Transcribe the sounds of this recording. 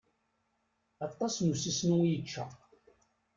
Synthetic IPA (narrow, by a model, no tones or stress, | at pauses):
ɑt̪ˤːɑsnusisnujət͡ʃːa̰